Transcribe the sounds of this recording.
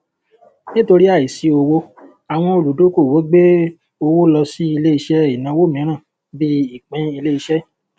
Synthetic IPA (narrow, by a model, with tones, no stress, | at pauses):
nĩ˦to˧ɾi˦a˦˨i˨si˨˦o˧wo˧ | a˨w̃ɔ̃˧o˨lu˨˦do˨˦ko˦˨wo˨˦ɡ͡be˦ | o˧wo˦lɔ˧si˦i˧le˦i˧ʃɛ˦i˨nã˨˧˦wo˦˨mĩ˨˦ɾ̃ã˦˨ | bi˦i˦˨k͡pɛ̃˧i˧le˦i˧ʃɛ˦